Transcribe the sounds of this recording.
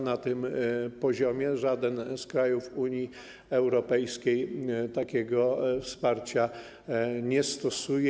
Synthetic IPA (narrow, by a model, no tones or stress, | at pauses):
nat̪ɘmpɔʑɔmʲjɛʐad̪ɛnskɾajufuɲji | ɛwɾɔpɛjskʲejt̪akʲɛɡɔfspaɾt͡ɕa | ɲɛst̪ɔsuj